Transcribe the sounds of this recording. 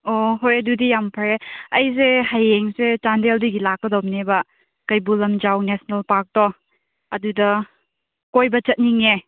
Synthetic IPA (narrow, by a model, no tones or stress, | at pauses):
oɦojɐdudijampʰɐɾeɐjs̬ehajeŋset͡ʃandeldiɡilakːɐdowmnebɐ | kɐjbulɐmd͡ʒawnesnɐlpaɾk̚tɔ | ɐdudɐ | kojbɐt͡ʃɐt̚niŋe